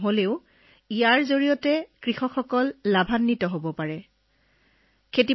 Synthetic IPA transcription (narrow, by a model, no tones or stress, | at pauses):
ɦoleʊ | ijaɹzoɹijɔtɛkɹixɔkːɔkɔlːabʱanːitɔɦobɔpaɹɛ | kʰeti